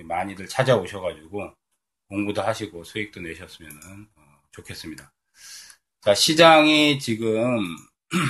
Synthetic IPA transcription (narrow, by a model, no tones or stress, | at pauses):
maɲiɾɯɭt͡ɕʰad͡ʑaoɕʰʌɡad͡ʑuɡo | koŋɡudoɦaɕʰiɡosʰoik̚t͈oneɕʰʌs͈ɯmjʌnɯnʌ | t͡ɕokʰe̞s͈ɯmɲida | t͡ɕaɕʰid͡ʑaŋit͡ɕiɡɯm